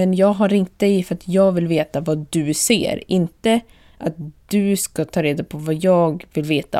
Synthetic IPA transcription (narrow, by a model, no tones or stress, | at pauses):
ɛnjɑːɡɦaɾɾɪŋt̪̚d̪ɛjfœɾat̪ʰjɑːɡvɪlveːt̪avad̪ɵsḛːɾɪnt̪ə | ʔat̪̚d̪̥ɵskat̪ʰɑːɾeːd̪apʰɔvajɑːɡvɪlveːt̪a̰